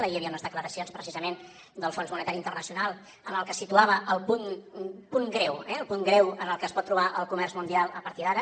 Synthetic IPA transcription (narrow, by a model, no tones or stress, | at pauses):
əiəβiəunəzðəkləɾəsionspɾəsizəmen | d̪əlˠfonzmunət̪aɾint̪ərnəsiunalˠ | ənəlˠkəsit̪uaβəʔəlˠpunpuŋɡɾɛwɛəlˠpuŋɡɾɛwənəlˠkəspɔt̪ːɾuβaʔəlˠkumɛrzmund̪ialˠəpəɾt̪iðaɾə